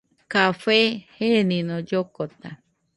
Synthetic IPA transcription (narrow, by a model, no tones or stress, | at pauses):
kafehenĩnõd͡ʒokot̪a